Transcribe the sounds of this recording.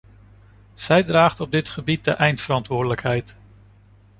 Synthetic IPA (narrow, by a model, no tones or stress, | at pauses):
z̥ɛjdraːχtɔb̚dɪtχəbit̚dəʔɛjntfəɾɑntʋʊːɹdələkɦɛjt